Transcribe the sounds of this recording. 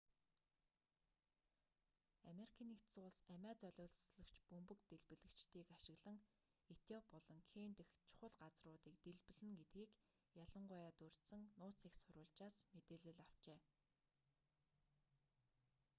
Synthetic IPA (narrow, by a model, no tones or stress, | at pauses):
ameɾikʰaːniːktt͡sʊːɮsæmʲæːt͡sœɮʲʊːɮsɮɵ̆kt͡ɕpɵmpɵ̆kt̪eɮpɘ̆ɮɘ̆kt͡ɕt̪iːkaʃɪ̆ɣɮə̆ŋ | et̪jɔpːɔɮɞ̆ŋxʰeːnt̪ɘ̆xt͡ɕʰʊ̥χə̆ɮɢat͡srʊːt̪iːk̚t̪eɮpɵ̆ɮɘ̆ŋɡet̪̚ɡiːk | jaɮə̆ɴɢʊjaːt̪ɵr̥t̪sə̆ŋnʊːt͡siːksʊɾʊːɮt͡ɕaːsmet̪eːɮɘ̆ɮaw̥t͡ɕeː